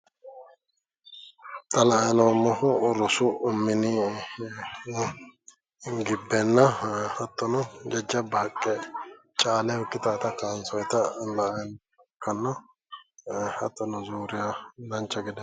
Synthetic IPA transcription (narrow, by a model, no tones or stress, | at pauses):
t̪ɐlɐʔjnɔmɔhʊɾɔsʊʊmːɪnɪ | ɡɪbːɛnːɐɐt̪ːɔnɔd͡ʒɛd͡ʒːɐbaːkʼːɛ | t͡ʃʼaːlɛʊkːɪt̪aːt̪ɐkaːnsɔjt̪ɐlɐʔɐjn | ɐkʰːɐnːɐ | ɐt̪ːɔnɔzuːɾɪjalɐnt͡ʃːɐɡɪd̪ɛ